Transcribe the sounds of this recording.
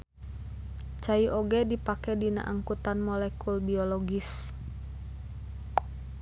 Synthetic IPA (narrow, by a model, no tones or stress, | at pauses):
t͡ʃaiʔoɡɛdipakɛdina̰ʔaŋkut̪anmɔlɛkulbiɔlɔɡis